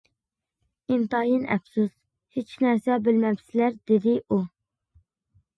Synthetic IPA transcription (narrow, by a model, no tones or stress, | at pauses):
imt̪ɑjinɛ̰fsus | het͡ʃʰnæɾsɛbɪlmɛbsɪlæɾd̪ed̪ɪʔu